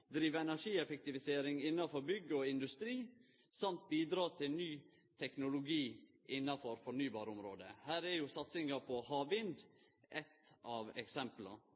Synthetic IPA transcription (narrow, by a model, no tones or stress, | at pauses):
d̪ɾiːʋəɛnæʂiːɛfɛk̚t̪ɪʋɪseːɾɪŋɪnːɑfɔɾbʏɡːəɔɪnd̪ʉst̪ɾiː | sɑmt̪̚biːd̪ɾɑːt̪ʰɪnyː | t̪ʰɛknʊlʊɡiː | ʔɪnːɑfɔɾfɔɳyːbɑːɾʊmɾoːd̪ə̰hæːɾɛɾjʊsɑt̪sɪŋɑpʰɔhɑːʋɪnd̪ | ʔɛt̪ɑːʋɛ̰ksɛmplɑ̰